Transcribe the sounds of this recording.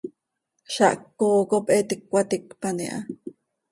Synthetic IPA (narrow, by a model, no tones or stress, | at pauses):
ʃaʔkːoːkopʔet̪ikwat̪ikpanḭʔa̰